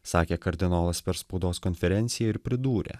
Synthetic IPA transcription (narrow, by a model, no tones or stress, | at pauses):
sɑːkʲeːkɐɾʲd̪ʲɪnoːlˠɐspʲɛɾspɒʊd̪oːskɔnʲfʲɛɾʲɛnʲt̪sʲɪjɛɪɾpʲɾʲɪd̪uːɾʲḛː